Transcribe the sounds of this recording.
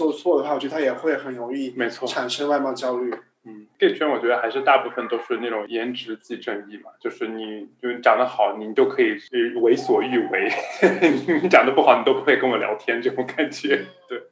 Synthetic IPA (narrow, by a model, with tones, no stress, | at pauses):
sɔ˥˩t͡sʰwɔ˥˩d̪ə˩xwa˩ɔ˨˩˧d̪ʰa˥jɛ˨˩xwe˥˩ɪxə˨˥˦nno˧˥ʊŋi˥˩me˧˥ɪt͡sʰwɔ˥˧˩ʈ͡ʂʰa˨˩nʂə˥ŋwa˥˧ɪmɑ˥˧ʊt͡ɕjɑ˥ʊy˥˩ | n̩˥˩ke˥˩ɪt͡ɕʰɥɛ˥nwɔ˨˩t͡ɕɥɛ˧˥ə˧xa˧˥ɪʂɻ̩˥˧t̪a˥˧pu˥˩fə˩nt̪o˥ʊʂɻ̩˥˧na˥˩ʈ͡ʂʊ˨˩ŋjɛ˧˥nʈ͡ʂɻ̩˧˥t͡ɕi˥˧ʈ͡ʂɤ˥˧ŋi˥˩mɐ˩t͡ɕjo˥˧ʊʂɻ̩˥˩ni˨˩˦t͡ɕjo˥˩t͡ɕjɑ˨˩ŋd̪ə˦xɑ˨˩˦ʊni˧˥nt͡ɕjo˥˩ʊkʰɤ˧˥i˨˩˧we˧˥ɪswɔ˨˩y˥˩we˧˥ɪni˨˧˩ni˧˥t͡ɕjɑ˨˩ŋd̪ə˦pu˥˩xɑ˨˩ʊni˨˩t̪o˥pu˧˥xwe˥˧ɪkɤ˥˧ŋwɔ˨˩ljɑ̰˧˥ʊt̪ʰjɛ˥nʈ͡ʂɤ˥˩ʈ͡ʂʊ˧˥ŋka˨˩nt͡ɕɥɛ˨˧˥t̪we˥˩ɪ